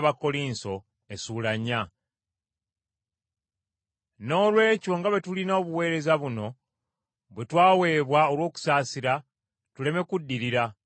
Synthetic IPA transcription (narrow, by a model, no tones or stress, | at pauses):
βako̞liːnso̞ | e̞suːlaɲːa | no̞ːlwe̞ːco̞ŋɡaβe̞tulinaːβuwe̞ːɾe̞zaβuno̞ | βwe̞twaːwe̞ːβwao̞lwo̞ːku̥saːsiɾa | tule̞me̞kudːiɾiɾa